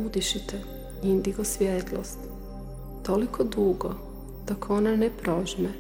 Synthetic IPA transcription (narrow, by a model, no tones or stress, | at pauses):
ud̪iʃit̪ɛ | ind̪iɡosʋjet̪lˠo̰st̪ | t̪olikʰod̪uːɡo̰ | d̪̥okʰonanɛpɾoʒmɛ